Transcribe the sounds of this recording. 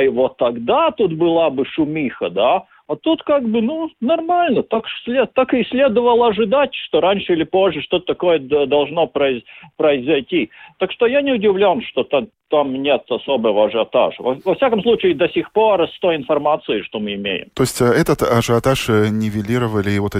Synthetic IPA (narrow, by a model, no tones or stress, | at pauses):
ivot̪ːɐɡd̪at̪ut̪bɨlˠabɨʂʊmʲixəd̪a | ɐt̪ut̪kaɡbɨnunɐrmalʲnət̪aksʲlʲet̪akɨsʲlʲe̞d̪əvəlˠəɐʐɨd̪atʲʂt̪oɾanʲʂɨilʲɪpo̞ʐːəʂt̪o̞t̪ət̪ɐko̞jəd̪ɐlˠʐno̞pɾəɪpɾəɪzɐjtʲit̪akʂt̪ojanʲɪʊdʲɪvlʲo̞nʂt̪o̞t̪a | t̪amnʲet̪ɐso̞bɨvəɐʐɨɐt̪a̰ʂəvɐvɐfsʲakəmslˠut͡ɕɪɪd̪ɐsʲixpo̞rɐst̪oɪnfɐrmat̪sɨɪʂt̪o̞mɨɪmʲḛjɪ̰mt̪osʲtʲɛt̪ət̪ɐʐɨɐt̪aʂnʲɪvʲɪlʲiɾəvəlʲɪvot̪ɛ